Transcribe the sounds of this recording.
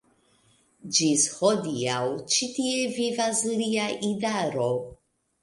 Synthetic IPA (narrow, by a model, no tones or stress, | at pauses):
d͡ʒishod̪iawt͡ʃitievivasɾiaʔidaɾo